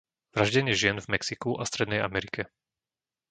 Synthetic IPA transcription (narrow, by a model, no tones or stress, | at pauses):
ʋɾaʒɟɛɲɪɛʒɪɛnvmɛksikuʔast̪ɾɛd̪nɛja̰mɛɾikɛ